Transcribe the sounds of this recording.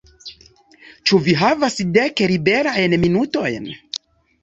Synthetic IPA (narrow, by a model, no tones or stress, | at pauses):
t͡ʃuviɦavasdekeɾibe̞ɾajnminuto̞jn